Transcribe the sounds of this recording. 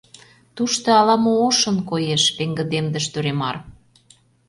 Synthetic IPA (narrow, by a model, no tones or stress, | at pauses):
t̪uʃt̪oɑlɑmooʃə̆nkojeʃβeŋɡə̆d̪emd̪əʃt̪øɾemɑr